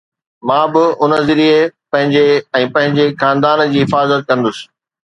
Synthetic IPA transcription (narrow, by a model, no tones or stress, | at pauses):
mãːbɪʊnəzɪɾiepɐ̃ɦɪ̃ɲd͡ʑeɛ̃ːpɐ̃ɦɪ̃ɲd͡ʑexãːnd̪aːnd͡ʑiːɦɪfaːzət̪̚kɐ̃nd̪ʊsɪ̥